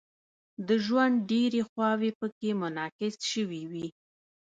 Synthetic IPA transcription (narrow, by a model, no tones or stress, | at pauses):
d̪əʒwand̪̚ɖeɾexwɑwepəkemʊnɑkɪsʃəwiwi